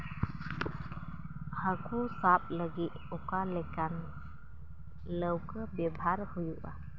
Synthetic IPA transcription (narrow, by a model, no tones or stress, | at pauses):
hakusap̚ləɡit̪̚ɔkalɛkan | ləwkəbɛbʱaɾhujuʔa̰